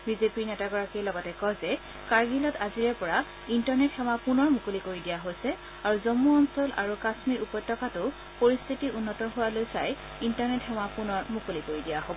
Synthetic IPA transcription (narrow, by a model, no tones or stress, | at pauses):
bizepiɹnɛtaɡɔɹakɛjlɔɡɔtɛkɔjzɛ | kaɹɡilɔtaziɹɛpɔɹa | intɔɹnɛtxɛwapunɔɹmukolikoɹidijaɦojsɛ | aɹuzɔmuɔnsɔlʔa̰ɹukasmiɹupɔjtːɔkatʊ | poɹist̪ʰitiʔʊnːɔtɔɦʊwalojsaj | intaɹnɛtxɛmapunɔɹmukolikoɹidijaɦobɔ